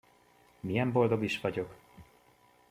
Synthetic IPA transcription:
mijɛmbo̞ld̪o̞ɡiʃvɒɟo̞k

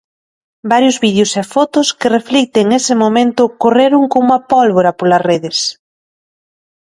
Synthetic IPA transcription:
baɾjʊzβið̞jʊsɛfɔt̪ʊskɪreflik̚t̪eŋesɪmomẽnt̪ʊkoreɾʊŋkoumɐpɔlβoɾɐpolɐsreðɪs

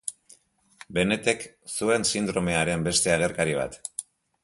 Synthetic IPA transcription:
be̞ne̞t̪ek | sue̞nsind̪ɾo̞me̞aɾe̞mbe̞st̪e̞aɣ̞e̞rkaɾiβ̞a̰t̪

